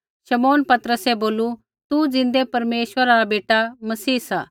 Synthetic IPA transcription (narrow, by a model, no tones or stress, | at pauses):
ʃɐmoːnpɐt̪ɾəsɛboːlu | t̪ud͡zɪ̃nd̪epɐɾmeːʃʋəɾaɾabeːʈamɐsiːsa̰ː